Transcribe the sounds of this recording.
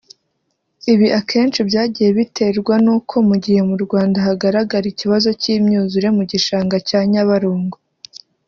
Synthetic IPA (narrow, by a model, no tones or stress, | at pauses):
iβiʔakʰe̞ːnt͡ʃibjaːɟije̞βitʰe̞ɾɡwanuːkʰo̞muɟihe̞muɾɡwaːndaɦaɡaɾaɡaɾiciβazo̞ciːmɲuːzuɾe̞muɟiʃaːŋɡacaːɲaβaɾuːŋɡo